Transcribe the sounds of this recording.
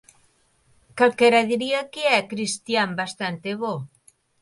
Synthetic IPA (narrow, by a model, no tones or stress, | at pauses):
kalkeɾaðiɾiakeɛkɾist̪jambast̪ant̪eβo